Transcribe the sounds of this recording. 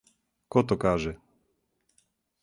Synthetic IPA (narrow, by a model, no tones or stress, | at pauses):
kɔt̪ɔkaːʒɛ